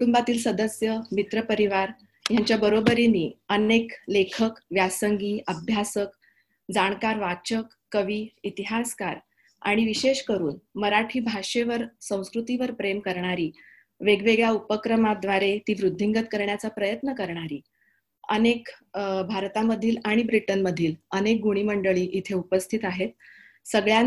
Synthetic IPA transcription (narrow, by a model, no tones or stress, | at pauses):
kuʈumbat̪iːlsəd̪əsjəmit̪ɾəpəɾiʋaɾ | jaɲt͡ɕjabəɾobəɾiniːəneklekʰəkʋjasəŋɡiːʔəbʱjasək | d͡zaɳ̃kaɾʋat͡ɕəkːəʋiːit̪iɦaskaɾ | a̰ɽ̃iʋiɕeɕkəɾuːnməɾaʈʰiːbʱaʂeʋəɾsə̃w̃skɾut̪iʋəɾpɾemkəɾɳaɾiː | ʋeɡʋeɡɭjaupəkɾəmad̪ʋaɾet̪iːʋɾud̪ʱːiŋɡət̪̚kəɾɳjat͡sapɾəjət̪nəkəɾɳaɾiː | ə̰nekbʱaɾt̪aməd̪ʱiːlaɽ̃ibɾiʈənməd̪ʱiːlənek̚ɡuɽ̃iːməɳɖəɭiːʔit̪ʰeupəst̪ʰit̪aɦet̪̚ | səɡɭja